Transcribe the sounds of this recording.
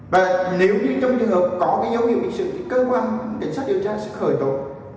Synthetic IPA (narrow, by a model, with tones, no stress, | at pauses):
vaː˨˩ne˨˦wɲɨ˧t͡ɕɔ˧wŋ͡mt͡ɕɨ˨˩ŋɦəː˨˩p̚kɔ˨˦kaː˨˦jzə˨˦whḭ˧˨əwḭ˨˧˩sɨ̰˧˨˩t̪ʰi˨˩kəː˧kwaː˧nka˨˩ŋsa˦˥k̚ɗi˨˩əwt͡ɕaː˧sɛ̰˧˥xəː˧˩jt̪o̰˧˨